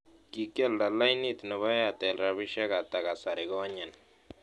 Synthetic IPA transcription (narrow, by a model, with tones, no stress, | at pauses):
ki˨kɛ˦˨lda˨la˦jni˦tnɔ˨βa˦ja˨tɛ˨lɾa˨βi˦ʃɛ˦ka˨ta˨ka˨sa˨ɾɪ˨ɡɔ˦ɲɛ˨n